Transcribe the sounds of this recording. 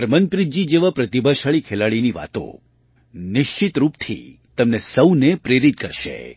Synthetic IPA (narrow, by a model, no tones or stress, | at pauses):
əɾmənpɾid͡ʒid͡ʒeʋapɾət̪ibʱaʃaɭikʰelaɭiniʋa̰t̪õ̰ | nɪʃt͡ʃɪt̪ɾupt̪ʰḭ | t̪əmnesəwnepɾeɾit̪̚kəɾʃḛ